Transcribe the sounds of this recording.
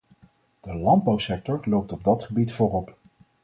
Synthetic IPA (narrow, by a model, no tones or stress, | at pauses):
d̥əlɑnd̚bɑwsɛk̚tɔɹlowp̚tɔb̚dɑtχəbitfʊːrɔp